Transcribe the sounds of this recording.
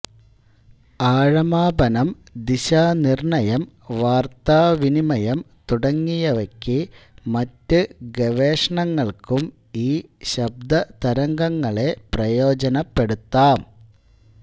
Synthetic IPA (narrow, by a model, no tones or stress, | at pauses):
aːɻɐmaːbɐnɐm | d̪iɕaːnirɳɐjɐm | ʋaːrt̪aːʋinimɐjɐm | t̪uɽɐŋːijɐʋɐkʲːimɐtːɨɡeʋeːʂɐɳɐŋːɐɭkum | iːɕɐb̚d̪ɐt̪ɐɾɐŋɡɐŋːɐɭe̞prɐjo̞ːd͡ʑɐnɐpːe̞ɽut̪ːaːm